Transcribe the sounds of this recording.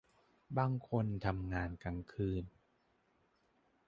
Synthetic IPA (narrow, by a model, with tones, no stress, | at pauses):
baː˧ŋkʰo˧nt̪ʰa˧mŋaː˧nka˧ŋkʰɯː˧n